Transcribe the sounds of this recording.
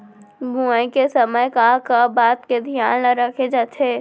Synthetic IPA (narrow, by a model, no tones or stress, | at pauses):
bũkesɐməjkakabaːt̪ked̪ʱijaːnlaɾɐkʰed͡ʒaːt̪ʰeː